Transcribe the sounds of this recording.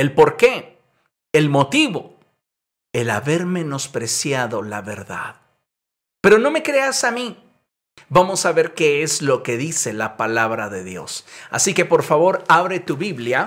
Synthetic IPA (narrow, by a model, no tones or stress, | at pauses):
elpo̞ɾke̞ | elmo̞t̪iβo̞ | ela̰βe̞ɾme̞no̞spɾesjaðo̞laβe̞ɾða̰ð | pe̞ɾo̞no̞me̞kɾe̞asami | bamo̞saβe̞ɾkeezlo̞ke̞ðise̞lapalaβɾaðe̞ðjo̞̰sa̰sikepo̞ɾfaβo̞ɾaβɾe̞t̪uβiβlja